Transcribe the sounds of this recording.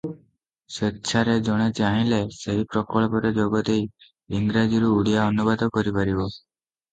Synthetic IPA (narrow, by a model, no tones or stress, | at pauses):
setːt͡ʃʰaɾed͡ʒɔɽ̃et͡ʃaɦĩleseɦipɾɔkɔɭɔpɔɾed͡ʒoɡɔt̪ej | iŋɡɾad͡ʒiɾuːɽijaɔnubad̪ɔkɔɾipaɾibɔ